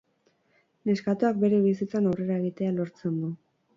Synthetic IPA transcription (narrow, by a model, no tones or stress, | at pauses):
ne̞skat̪uak̚be̞ɾe̞β̞isit͡sanawre̞ɾae̞ɣ̞it̪e̞alo̞ɾt͡se̞nd̪u